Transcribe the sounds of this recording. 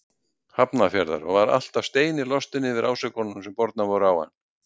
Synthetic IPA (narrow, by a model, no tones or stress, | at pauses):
hapnafjɛɾða̰ɾɔɣvaɾa̰l̥t̪av̥st̪eːjnɪlɔst̪ɪnːɪðɪɾaːwsɛkɔnːʏmsɛmpɔɾt̪̚navɔɾʏawha̰n